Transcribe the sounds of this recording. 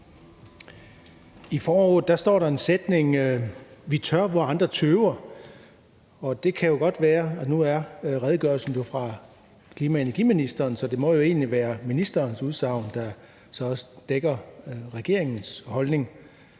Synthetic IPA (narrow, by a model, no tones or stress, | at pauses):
ifɒːɔːðˠd̥æsd̥ɒ̰ːɾɑ̈e̝nsed̥ne̝ŋ | ʋit͡sʰɶɐ̰ʋɒ̈nd̥ʁɐt͡sʰøːʊɐ | ɒ̽d̥e̝kʰæjo̝ɡ̥ɒ̽d̥ʋæːɐænuæɐʁɛð̞ˠəɡ̥ɶɐlsn̩jo̝fʁɑ̈ | kʰliːmæenæɐɡ̥ḭminisd̥ɐːnsɒ̽d̥e̝mɒ̽jo̝e̝̰ːnliʋæːɐminisd̥ɐːnsuðˠsɑ̈ʊ̰nd̥ɑ̈ | sɒ̽ɒ̽səd̥eɡ̥ɐʁɛɡ̥e̝ɐeŋn̩shɒ̽lne̝ŋ